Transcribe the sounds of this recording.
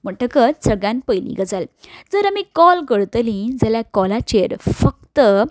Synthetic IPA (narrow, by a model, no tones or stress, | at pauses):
m̤əʈəkəsəɡjãnpəjlḭ̃ɡəd͡zald͡zəɾamikɔlkəɽt̪lĩd͡zaljakɔlat͡ɕeɾfəkt̪ə